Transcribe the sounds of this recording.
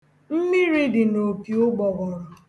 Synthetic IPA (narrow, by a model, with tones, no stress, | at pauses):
m̩˦mi˦ɾi˦dɪ˨no˨pi˨ʊ˦ɡ͡bɔ˨ɣɔ˨ɾʊ˨